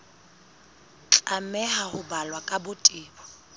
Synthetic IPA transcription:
t͡ɬʼamɛɦahʊbalwakʼabʊtʼɪːbɔ

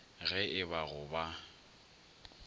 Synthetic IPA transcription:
ɣɛʔɪβaɣʊba

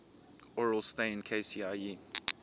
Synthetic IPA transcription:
ɔɹəlˠsteɪɪ̃nkʰeɪsiai

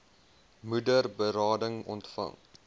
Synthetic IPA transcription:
mudərbəɾɑːdəŋɔ̰ntfɐ̰ŋ

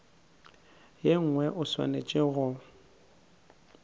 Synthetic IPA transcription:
jeŋ̩ŋwɛʔʊswa̰net͡ʃʼɪɣʊ

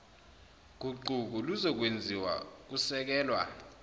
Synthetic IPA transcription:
k̬uǃuk̬uluzɔk̬wend͡zʱiwa̰k̬usɛk̬ɛːlwa̰

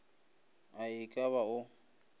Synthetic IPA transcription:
aɪkʼaβaʊ

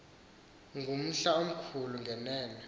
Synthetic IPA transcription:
ŋɡʱum̩ɬaom̩kʰuluŋɡʱɛnɛːnɛ

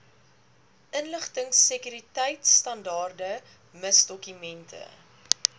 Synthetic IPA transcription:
ʔənləχtəŋsəkyɾitɛjtstɐndɑːrdə | məsdɔkymɛntʰə̰

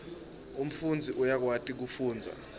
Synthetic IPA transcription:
um̩fund͡zʱiʔujak̬watʼik̬ufuːnd͡zʱa̰

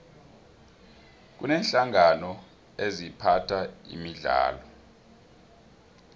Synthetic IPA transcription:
k̬unɛːnɬaŋanɔ | ezipʰatʰaḭmiɮa̰ːlɔ

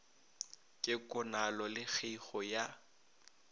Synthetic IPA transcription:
kʼɪkʼʊnalɔlɪk͡xʰiχɔja

